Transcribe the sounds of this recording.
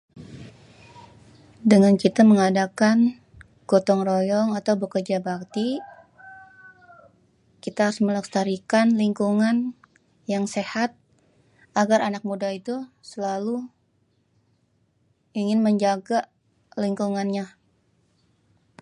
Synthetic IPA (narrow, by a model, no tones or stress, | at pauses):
dəŋankit̪aməŋadakan | ɡ̥ot̪ɔŋrojɔŋat̪awbəkərd͡ʒabakt̪i | kit̪aɦaɾʊsmələkst̪aɾikanliŋkuŋan | jaŋsehat̪̚ | aɡaɾʔanak̚mudait̪usəlalu | iŋɪnməɲd͡ʒaɡa | liŋkuŋanɲa